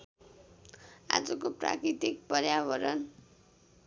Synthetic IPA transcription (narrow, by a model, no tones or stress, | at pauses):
a̰d͡zʌkopra̰kɾit̪ik̚pʌrjabʌɾʌn